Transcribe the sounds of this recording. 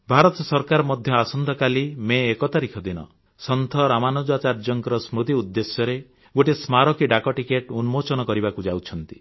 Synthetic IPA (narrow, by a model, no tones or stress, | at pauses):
bʱaɾɔt̪ɔsɔɾkaɾɔmɔd̪ʱjɔasɔnd̪ʱɔkalimeːkɔt̪aɾikʰɔd̪inɔ̰ | sɔnt̪ʰɔɾamanod͡ʒat͡ʃaɾd͡ʒɔŋkɔɾɔsmɾud̪iud̪ːesjɔɾe | ɡoʈismaɾɔkiɖakɔʈikeʈunmot͡ʃɔnɔkɔɾibakud͡ʒawt͡ʃʰɔnt̪i̥